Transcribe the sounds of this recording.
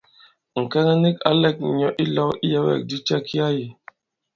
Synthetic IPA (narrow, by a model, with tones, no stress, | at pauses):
ŋ̩˨kɛ˦nɛ˦ni˦ka̰˦lɛ˦k̚ɲɔ˨ʔi˦lɔ˦i˦jɛ˦wɛ̰˨k̚di˦t͡ʃa˦kʰi˦a˦ji˨